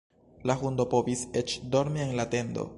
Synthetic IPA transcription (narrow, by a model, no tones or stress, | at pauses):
laxundo̞po̞vise̞t͡ʃdo̞ɾmie̞nlate̞ndo̞̰